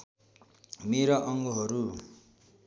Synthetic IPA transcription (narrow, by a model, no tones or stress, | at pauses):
meɾʌʔʌŋɡoɦʌɾu